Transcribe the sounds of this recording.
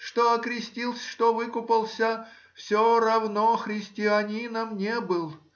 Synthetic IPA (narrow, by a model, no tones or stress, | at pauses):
ʂt̪oɐkɾʲɪsʲtʲilˠsʲʂt̪ovɨkʊpəlˠsʲə | fsʲoɾɐvnoxɾʲɪsʲtʲɪɐnʲinəmnʲebɨlˠ